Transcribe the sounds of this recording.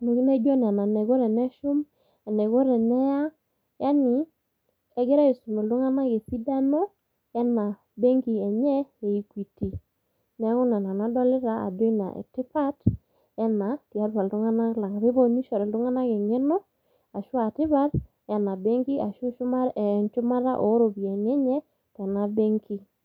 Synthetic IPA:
ne˨ki˦ne˦d͡ʒo˦n˨a˨na˨nɛ˨ɡo˦ɾɛ˨nɛ˦ʃu˦m | a˨nɛ˨ɡo˦ɾɛ˨nɛ˦ja˦ | ja˦ni˨ | ɛ˦ɡe˦ɾa˦i˨su˨mɛ˨ldu˦ŋa˦na˦ke˨pi˦da˦no˦ | ja˦na˨ | be˦ŋɡi˨ɛ˨ɲɛ˦e˨i˦kwi˨ti˨ | nɛ˨˦ŋu˦na˨na˨na˦dɔ˦lɪ˦ɾa˦a̰˨do˦na̰˨ɛ̰˨tɪ˦pa˦t | jɛ˦na˨ti˨a˦ɾpa˨ldu˦ŋa˦na˦la˨ŋa˨βi˦bo˦ni˦ʃɔ˨ɾɛ˨ldʊ˦ŋa˦na˦ke˨ɲɛ˦no˦ | a˨ʃu˦a˨tɪ˦βa˦ɾ | ja˨na˨be˦ŋki˦ʔa˨ʃu˦˨nt͡ʃu˦ma˦ɾa̰˦ʔo˨˦ɾo˨bi˨e˨nɛ˦ɲɛ˦ | tɛ˨na˨be˦ŋki˦

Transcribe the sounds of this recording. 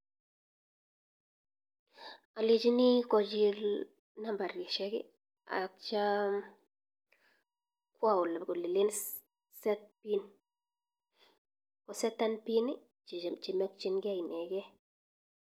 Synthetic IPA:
a˨le˨t͡ʃi˦ni˦kɔ˨d͡ʒi˦l | na˦mba˨ɾɡi˨ʃɛ˦kḭ˦ | a̰˨k̚t͡ʃa˦ | kwa˦˨u˨lkli˨le˦n | sɛ˦t̪̚pi˦n | kɔ˨sɛ˦t̪ːa˦npi˦ni˦˨ | t͡ʃi˨mɛ˦kt͡ʃi˦nɡa˦i˨nɛ˨ɡɛ˦

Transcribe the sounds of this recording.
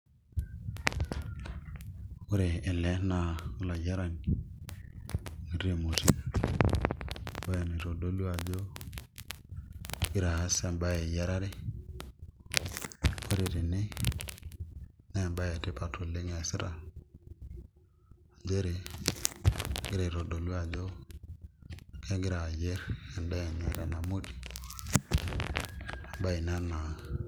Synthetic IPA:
o˦ɾeː˨lɛ˦na˦˨o˦la˨ɟa˦ɾa˨ni˨ | ŋi˨ɾe˦˨mo˨ti˦ | bo˦e˨ni˨ɾo˨do˦lu˦a˨d͡ʒo˦ | i˦ɾa˨a˦sɛ˨mba˦je˨ja˦ɾa˦ɾe˦ | o˦ɾe˨te˨nɪ˦ | nɛ˦˨mba˦ja˨tɪ˦pa˨tʰo˨lɪ˦ŋɛ˨sɪ˦ɾa˨ | d͡ʒe˦ɾe˨ | ɡɪ˦ɾa˨ɾo˨do˨lwa˨d͡ʒo˦ | kɛ˦ɡɪ˦ɾa˨je˦ɾɛ˨nda˦e˨ɲɛ˦ɾa˨na˨mo˦ti̥˨ | a˨mba˦i˨na˦na˨

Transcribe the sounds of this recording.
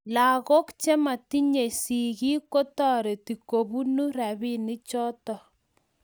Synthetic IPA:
la˨ɣo˦kt͡ʃe˦ma˨ti˦ɲe˨si˨ɣi˦ko˦tɔ˦˨ɾe˨ti˨ko˨bu˦nu˦ra˨βi˦ni˦t͡ʃɔ˦tɔ˨

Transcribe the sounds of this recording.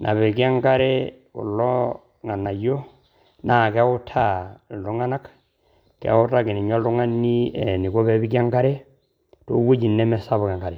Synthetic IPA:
nʔa̰˨βe˨ki˦a˦ŋɡa˦ɾɛ˦ | kṵ˨lːɔ˦ | ŋa˨nːa˨jo˦ | na˨kɛ˦u˦tʰa˦˨lu˦ŋa˦na˦k | kɛ̰˨˦u˦ta˦˨kɪ˨ni˨ɲɔ˦lu˦ŋa˦nːi˦ɛ˨ni˨ko˦bɛ˦bi˦ki˦a˦ŋɡa˦ɾɛ˦ | to˦wo˦d͡ʒi˨nːɛ˦mɛ˦sa˦bu˨ka˨ŋɡa˨ɾɛ˨

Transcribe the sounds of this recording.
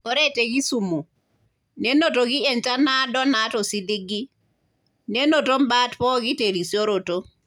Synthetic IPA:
o˦ɾe˦te˨ɡi˦su˨mo˨ | ne˦no˨to˨ɡi˦e˨nt͡ʃa˦na˦dɔ˦na˨˦to˨si˦li˦ɡi˦ | ne˦no˨to˦mba˦tpɔ˦ɡi˦te˨ɾi˨sjo˦ɾo˨to˦

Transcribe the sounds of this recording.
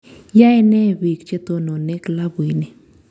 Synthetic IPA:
ja˦ɛ˦nɛ˦˨bi˨kt͡ʃe˦t̪o˦no˨ne˦kla˦bi˨ne˨

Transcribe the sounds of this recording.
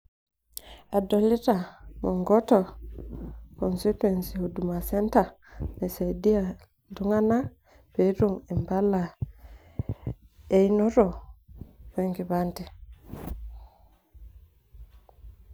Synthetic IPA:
a˨do˨li˦ta˨mu˨ŋɡɔ˦tɔ˨ | kɔ˨nsi˦twe˨nsi˨ho˨du˨ma˨se˦nta˨ | ne˨se˨di˦a˨ | ndu˦ŋa˦na˦ | pe˨˦ɾu˦ŋi˨mba˦la˨ | e˦ino˦ɾo˨ | be˨ŋɡi˨βanti˨

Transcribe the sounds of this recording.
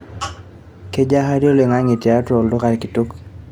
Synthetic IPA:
ke˦d͡ʒa˦ɦa˦ɾo˦le˨ŋa˦ŋɪ˨tja˨a˦tɔ˨ldʊ˦ka˨ɾkɪ˨tu˦k

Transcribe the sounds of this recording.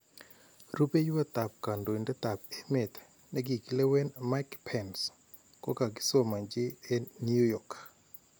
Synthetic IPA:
ru˦pe˦jwe˦t̪a˨p̚ka˨ndo˨i˨ndɛ˦t̪a˨p̚e˦me˨t̪ | nɛ˦ɡi˨ki˦le˦we˦nma˦kpʰɛns | ko˦ka˨ɡɪ̥˦so˦ma˨ɲd͡ʒɪ˦e˦nju˦jɔ˨k

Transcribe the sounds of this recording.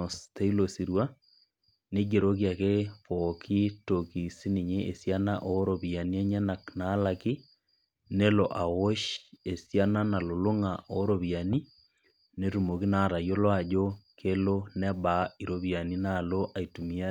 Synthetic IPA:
ste˦i˦lo˨si˨ɾwa˦ | ne˦ɡe˨ɾo˦k̬ja˨ke˦fo˨kʰi˦to˨ki˨si˦ni˨ɲe˦ʔe˨sja˦na˦ʔo˦ɾo˨βja˨ni˦ɛ˦ɲa˦na˨kna˦la˨ki˦ | ne˦lo˨ʔa˨wo˦ʃe˨sja˦na˦na˨lo˨lo˦ŋa˨ʔo˨˦ɾo˨βja˨ni˦ | ne˦ɾu˨mo˨ki˦na˨ɾa˨jo˦lwa˦˨ʄo˦kʰe˦lo˦nɛ˦ba˨i˨ɾo˨βja˨ni˦na˨lo˦ʔa˨i˨tu˨mia˦

